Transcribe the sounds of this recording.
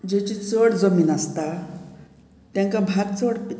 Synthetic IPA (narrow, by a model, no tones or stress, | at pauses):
d͡ʑet͡ɕit͡səɽd͡zəmiːnast̪a | t̪jãŋkabʱaɾt͡səɽp